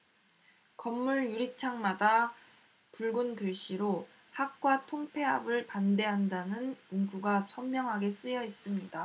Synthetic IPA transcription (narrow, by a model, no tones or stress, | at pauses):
kʌmːuɭjuɾit͡ɕʰaŋmada | puɭɡunkɯɭɕ͈iɾo | hak̚k͈watʰoŋpʰe̞ɦabɯɭpande̞ɦandanɯnmuŋɡuɡasʰʌmmjʌŋɦaɡe̞s͈ɯjʌis͈ɯmɲida